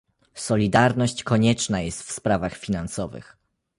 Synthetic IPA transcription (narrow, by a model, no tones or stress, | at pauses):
sɔlʲid̪aɾnɔɕt͡ɕkɔɲɛt͡ʂnajɛst̪fspɾavaxfʲinansɔvɘ̰x